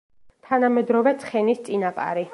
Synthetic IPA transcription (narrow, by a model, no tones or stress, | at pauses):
t̪ʰanamɛd̪ɾɔvɛt̪sʰχɛnist̪sʼinapʼa̰ɾi